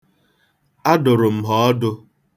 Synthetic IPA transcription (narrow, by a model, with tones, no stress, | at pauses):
a˦dʊ˨ɾʊ˨m̩˨ɦɔ˨ɔ˦dʊ˦